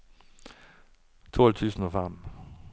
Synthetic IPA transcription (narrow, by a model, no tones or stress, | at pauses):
t̪ʰɔlt͡sʰʉːsn̩ɔfam